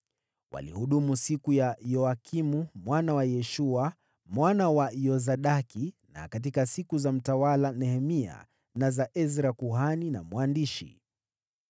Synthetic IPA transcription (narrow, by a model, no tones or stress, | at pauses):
wʔa̰lḭhuɗumusikujajɔakʰimumwanawajɛʃua | mwanawajɔzaɗakina̰kat̬ikasikuzam̩tawalanɛhɛmia̰ | nazaʔɛzɾakuɦanina̰mwandiʃḭ